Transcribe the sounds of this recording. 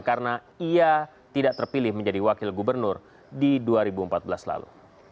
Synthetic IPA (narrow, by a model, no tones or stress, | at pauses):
kaɾəna | ia | t̪idaʔt̪ərpilɪhməɲd͡ʒadiwakɪlɡubərnʊr | diduaɾibuəmpat̪̚bəlasla̰lṵ